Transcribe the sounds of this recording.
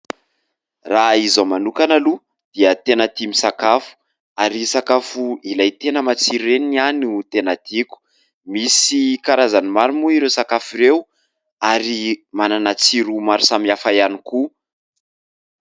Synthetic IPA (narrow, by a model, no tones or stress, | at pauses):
raizamanukanalu | d̪̥iət̪enət̪imisakafu̥ | aɾisakafuilajt̪enəmat͡siɾenianut̪enat̪iku̥ | misikaɾazanimaɾimuiɾewsakafiɾew | aɾimananat͡siɾumaɾusamiafajaniku